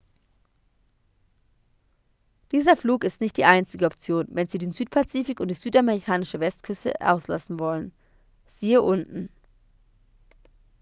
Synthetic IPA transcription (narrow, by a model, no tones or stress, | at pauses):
d̥iːzɐfluːkɪstnɪçt̚d̥iːʔaɪnt͡sɪɡəɔpt͡sjoːnvɛnziːdeːnzyːtpʰat͡siːfɪkʊntd̥iːzyːtameʁikʰaːnɪʃəvɛstkʰʏstə̰ʔa̰ʊsla̰sn̩vɔlən | z̥iːəʔʊntn̩